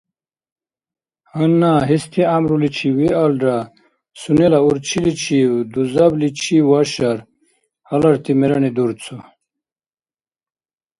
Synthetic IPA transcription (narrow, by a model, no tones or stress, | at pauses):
hɐnːaɦist̪ʰiamɾulit͡ɕʰiwialɖa | sunelauɾt͡ɕʰilit͡ɕʰiwd̪uzɐblit͡ɕʰiwaɕaɾ | hɐlɐɾt̪imeɾɐnid̪uɾt͡sʰo